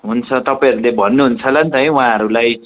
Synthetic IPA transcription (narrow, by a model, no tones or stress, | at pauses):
ɦunt͡sʰʌt̪ʌpaĩʌɾulebʱʌnːuɦunt͡sʰʌlʌnt̪ʌj̃waãɦʌɾulaj